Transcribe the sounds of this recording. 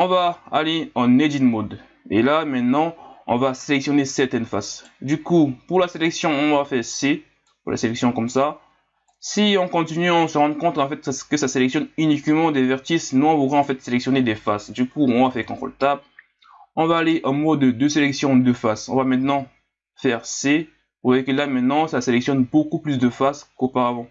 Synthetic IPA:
ɔ̃vaːleɑ̃ned̪inmɔd̪ | ḛlamɛ̃t̪nɑ̃ɔ̰̃vaselɛksjɔnesɛʁt̪ɛnfas | d̪ykupuʁlaselɛksjɔ̃ɔ̃vafɛʁse | puʁla̰selɛksjɔ̃kɔmsa | siɔ̃kɔ̃t̪inyɑ̃səʁɑ̃d̪ʁkɔ̃t̪kɑ̃fɛt̪̚kəsaselɛksjɔnynikmɑ̃d̪evɛʁt̪isnuɔ̃vud̪ʁɛɑ̃fɛt̪selɛksjɔned̪efasd̪ykuɔ̃vafɛʁkɑ̃t̪χə̰lət̪ap̚ | ɔ̃vaːleʔɛ̃mɔd̪əd̪øselɛksjɔ̃d̪əfasɔ̰̃vamɛ̃t̪nɑ̃ | fɛʁse | uikəlamɛ̃t̪nɑ̃saselɛksjɔnbokuplysd̪əfaskopaʁavɑ̃

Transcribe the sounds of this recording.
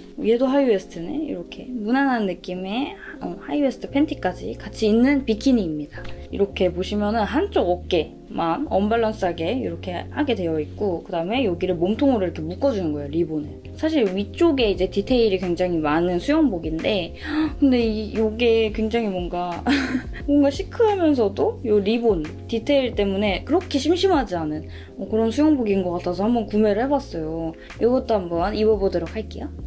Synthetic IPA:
je̞doɦaiesʰɯ̥tʰɯnɯnḭɾʌkʰe̞munanɦannːɯk͈ime̞ʌhaiwesʰtʰɯ̥pʰe̞ntʰik͈ad͡ʑḭkat͡ɕʰiːnːɯnpikʰiɲiːmɲidaḭɾʌkʰe̞poɕʰimjʌnɯnɦant͡ɕ͈oɡʌk͈e̞ | manʌmbaɭːʌns͈ɯɦaɡe̞ḭɾʌkʰe̞haɡe̞dwe̞jʌik̚k͈okɯdaɯme̞joɡiɾɯɭmomtʰoŋɯɾɯɾkʰemuk͈ʌd͡ʑunɯnɡʌejoɾibone | sʰaɕʰiɾɥit͡ɕ͈oɡe̞id͡ʑe̞titʰe̞iɾikwe̞ŋd͡ʑaŋimanɯnsʰujʌŋboɡinde̞ | kɯnde̞ijoɡe̞kwe̞ŋd͡ʑaŋimwʌŋɡa | moŋɡaɕʰikʰɯɦamjʌnsʰʌdojoɾibon | titʰe̞iɭt͈e̞mune̞kɯɾʌkʰeɕʰimɕʰimɦad͡ʑianɯn | ʌkɯɾʌnsʰujʌŋboɡinɡʌk͈atʰasʰʌhambʌnkume̞ɾɯɭhe̞bas͈ʌjo | jʌɡʌt͈oɦambʌniwʌbodɯɾokʰaɭk͈ija

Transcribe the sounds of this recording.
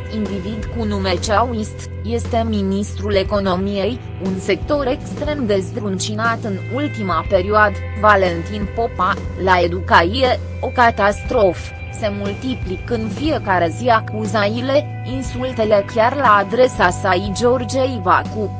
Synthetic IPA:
ind̪ivid̪kunume̞t͡ʃauist̪ | je̞st̪e̞minist̪ɾule̞ko̞no̞mije̞j | unse̞k̚t̪o̞ɾe̞kst̪ɾe̞md̪e̞zd̪ɾunt͡ʃinat̪ɨnult̪imape̞ɾioad̪əvale̞nt̪inpo̞palae̞d̪ukaije | o̞kat̪ast̪ɾo̞f | se̞mult̪iplikɨnfie̞kaɾe̞ziakuzajile̞ | insult̪e̞le̞kʲarlaːd̪ɾe̞sasaid͡ʒo̞rd͡ʒejva̰ku

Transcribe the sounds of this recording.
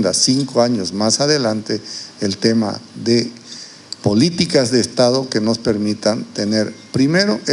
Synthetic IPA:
nd̪asiŋkoaɲo̞zmasaðe̞lant̪eːlt̪e̞ma̰ðe | po̞lit̪ikazðe̞ːst̪aðoke̞no̞spe̞ɾmit̪ant̪ene̞ɾpɾime̞ɾoʔe

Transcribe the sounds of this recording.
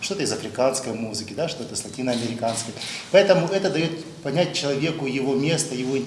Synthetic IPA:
ʂt̪o̞t̪əɪzɐfɾʲɪkanskəjmuzɨkʲɪd̪aʂt̪ot̪əslˠɐtʲinəɐmʲɪɾʲɪkanskəjpɐɛt̪əmʊɛt̪əd̪ɐjo̞t̪ | pɐnʲæt̚ʲt͡ɕɪlˠɐvʲe̞kʊjɪvo̞mʲe̞st̪əjɪvo̞

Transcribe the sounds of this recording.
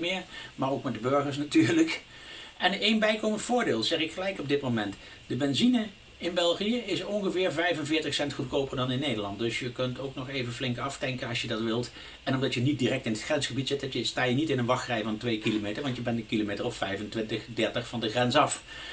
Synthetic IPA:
mɪːɹmaːɹowkmɛt̚dəbøɹχəɹs̬natyːɹlək | ɛnenbɛjkowməntfʊːɹdeːlˠzɛχɪkχəlɛjkɔb̚dɪtmomɛnt | d̥əbɛnzinə | ɪnbɛlˠχijəɪsɔnχəvɪːɹvɛjvənvɪːɹtəχsɛntχutkowpəɹdɑnɪnːejdəɹlɑnt̚dɵsjəkɵntowknɔχejvənflɪŋkɑftɛŋkənɑsjədɑtʋɪlˠt | ɛnɔmdɑtjənit̚diːrɛk̚tɪnətχrɛnsχəbitz̥ɪt̚dɑtjəstaːjənitɪnənʋɑχrɛjvɑntʋejkilomejtəɹʋɑntjəbɛntəkilomejtəɹɔffɛjvəntʋɪntəχdɛɹtəχfɑndəχrɛnsɑf

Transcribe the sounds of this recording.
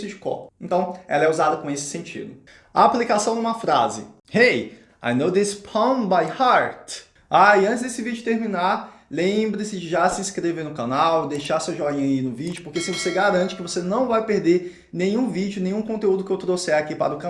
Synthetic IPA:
sʊd͡ʒɪkɔ̰̃ẽnt̪ɐ̃w̃ɛ̰lɐɛuzad̪ɐkõesɪ̥sẽnt͡ʃḭd̪ʊ | a̰aplikasɐ̃w̃d̪ũmɐfɾazɪ̰ | hej | a̰jnowd̪ɪspʰɐ̃mbajhaɾt̪ | aɪɐ̃t͡ʃɪzd̪esɪvid͡ʒʊt̪eɾmĩnaɾlẽmbɾɪsɪd͡ʒɪʒasɪĩskɾevenʊkanawd̪ejʃaɾsuɐʒɔɾĩɲɐinʊvid͡ʒʊpoɾkesɪvoseɡaɾɐ̃nt͡ʃɪ̥kɪvosenɐ̃w̃vajpeɾd̪eɾ | nẽɲ̃ũvid͡ʒʊnẽj̃ɲ̃ũkõt̪eud̪ʊkɪewt̪ɾosejakipa̰ɾɐʊka

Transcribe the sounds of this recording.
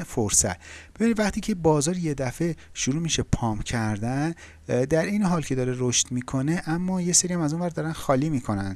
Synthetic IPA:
foɾsæ̰t̪be̞binid̪væχt̪ʰiːcʰe̞bɒːzɒːɾje̞d̪æfe̞ʃuɾuːmiʃepʰɒːmcʰæɾd̪æn | d̪æɾʔe̞jneɦɒːlcʰe̞d̪ɒːɾeɾoʃt̪miːkʰo̞ne̞ʔæmːɒːje̞seɾijæmæzunvæɾd̪ɒːɾænxɒːliːmiːkʰo̞nænd̪̥

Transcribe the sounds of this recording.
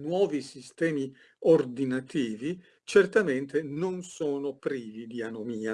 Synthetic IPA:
nwɔːvisist̪ɛːmi | ord̪inat̪iːvi | t͡ʃert̪ament̪enonsɔːnopɾiːvid̪ianomiːa

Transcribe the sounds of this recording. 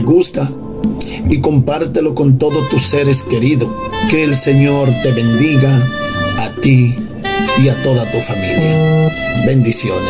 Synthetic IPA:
ɣust̪a | iko̞mpaɾt̪elo̞ko̞nt̪o̞ðost̪use̞ɾeske̞ɾiðoke̞ːlse̞ɲo̞ɾt̪e̞βe̞nd̪iɣaː | t̪i | iat̪o̞ðat̪ufamiljjabe̞nd̪isjon

